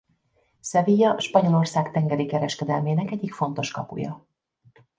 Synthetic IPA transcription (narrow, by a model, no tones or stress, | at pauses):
sɛviːjɒʃpɒɲo̞lo̞rsaːkt̪ɛŋɡɛɾikɛɾɛʃkɛd̪ɛlmeːnɛkɛɟːikfo̞n̪t̪o̞ʃkɒpṵjɒ̰